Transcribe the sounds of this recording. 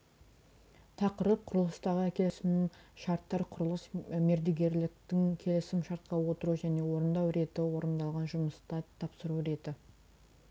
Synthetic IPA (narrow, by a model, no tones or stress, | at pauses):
t̪ʰɑqəɾəp̚qʰʊɾəlˠəst̪ɑʁəækʲʰe̞lɪsɪmʃɑɾt̪ːɑɾqʰʊɾəlˠəsme̞ɾd̪eɡʲe̞ɾlɪk̚t̪ɪŋkʲʰe̞lɪsɪmʃɑɾt̪̚qɑwo̞t̪əɾuʒæne̞wo̞ɾənd̪ɑwɾe̞t̪ɪwo̞ɾənd̪ɑlˠʁɑnʒʊməst̪ɑt̪ʰɑpsəɾuɾe̞t̪ɪ